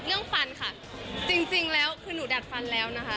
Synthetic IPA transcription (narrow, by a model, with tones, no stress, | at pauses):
lɯ˥˩əŋfa˧nkʰa˥˩ | t͡ɕi˧ŋt͡ɕi˧ŋlɛː˦˥wkʰɯː˧nuː˩˦da˨˩t̪̚fa˧nlɛː˦˥wna˦˥kʰa˦˥